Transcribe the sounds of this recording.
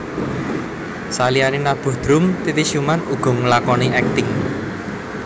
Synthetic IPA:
salianinab̥ṳhd̪̥ɾʊmt̪it̪iʃumanuɡ̥ɔ̤ŋlakɔniɛk̚t̪ɪŋ

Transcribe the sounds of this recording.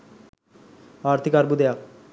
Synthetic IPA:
aɾt̪ʰikaɾbud̪eak̚

